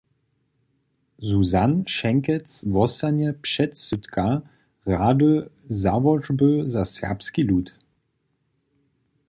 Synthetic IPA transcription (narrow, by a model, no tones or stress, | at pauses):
zuzanʃɛŋkɛt͡svɔsanjɛpʂɛt̪søt̪kʰa | ʁad̪øzavɔʐbøzasɛ̰ʁpskiluːt̪